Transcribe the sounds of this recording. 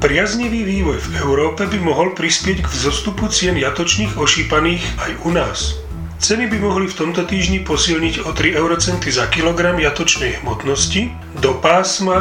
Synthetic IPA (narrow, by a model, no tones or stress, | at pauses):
pɾɪazɲiʋiːʋiːʋɔjvɛʊɾɔːpɛbimɔɦɔlpɾispɪɛɟɡvzɔst̪uput͡sɪɛnjat̪ɔt͡ʃniːɣɔʃiːpaniːxajunaːs | t͡sɛnibimɔɦlift̪ɔmt̪ɔt̪iːʒɲipɔsilɲiɟɔt̪ɾiɛʊɾɔt͡sɛnt̪izakilɔɡɾamjat̪ɔt͡ʃnɛjɦmɔt̪nɔsci | d̪ɔpaːsma